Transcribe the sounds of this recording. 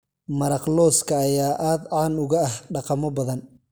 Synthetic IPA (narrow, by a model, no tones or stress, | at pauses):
mɐɾɑqlɔːskʰɐːjaːʔaːd̪ʕɑːnʊɣɐɐhɖɑqɑmɔbɐðɐn